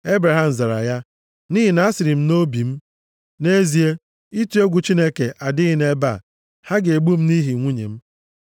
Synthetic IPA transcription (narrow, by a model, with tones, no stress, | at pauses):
e˦bɾa˨ɦa˨m̩˨za˨ɾa̰˨ja˦ | ni˦ɦi˨na˨˦a˦sɪ˨ɾɪ˨m̩˦no˦bi˨m̩˦ | ne˦zi˨e˦ | i˦tu˦e˦ɡʷu˨t͡ʃi˦ne˦ke˨ʔa˨dɪ˦ɣɪ˨ne˦ba̰˦˨ | ha˦ɡe˨ɡ͡bu˦m̩˦ni˦ɦi˨ŋʷu˦ɲḛ˨m̩˦